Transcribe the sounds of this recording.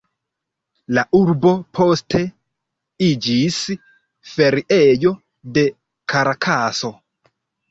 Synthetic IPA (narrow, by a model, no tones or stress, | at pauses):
laʔuɾbo̞pʰo̞stʰe̞ | id͡ʒis | fe̞ɾiʔejo̞ | de̞ | kʰaɾakʰaso̞